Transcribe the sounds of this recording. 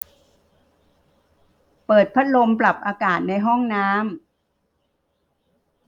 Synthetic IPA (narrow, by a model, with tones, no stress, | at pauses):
pɤː˨˩t̪̚pʰa˦˥t̪̚lo˧mpla˨˩p̚ʔaː˧kaː˨˩t̪̚na˧jɦɔ˥˩ŋnaː˦˥m